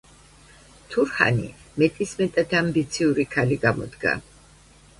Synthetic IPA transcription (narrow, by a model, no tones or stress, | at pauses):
t̪ʰuɾha̰nḭmɛt̪ʼismɛt̪ʼat̪ʰambit̪sʰiuɾikʰaliɡamɔ̰d̪ɡa̰